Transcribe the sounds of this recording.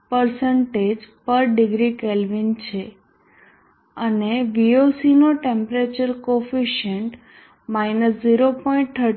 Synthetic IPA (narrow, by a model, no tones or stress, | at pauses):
pəɾsəɳʈed͡ʒpəɾɖɪɡɾikelʋint͡ʃʰe | əneʋiosinoʈẽmpɾet͡ʃəɾkofiʃəɳʈ | mainəsziɾopoĩɳʈ̚t̪ʰə